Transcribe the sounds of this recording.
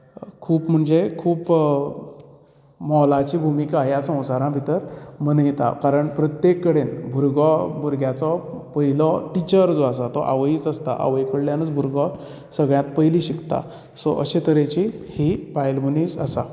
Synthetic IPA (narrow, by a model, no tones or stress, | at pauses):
kʰuːpm̤əɳd͡zekʰuːp | mɔlat͡ɕiːbʱumikajasə̃w̃saɾãbʱit̪əɾmənəjt̪a̰kaɾəɳpɾət̪jekːəɽenbʱuɾɡɔbʱuɾɡjat͡sɔpəɦilɔt̪it͡ɕəɾd͡zoasat̪ɔʔa̰ʋəiːt͡səst̪a̰ʔa̰ʋəjkəɽljanət͡sbʱuɾɡɔ | səɡɭjãt̪pəiliɕikt̪a̰ | sɔʔəɕet̪əɾet͡ɕihipajlmuniːsəsa̰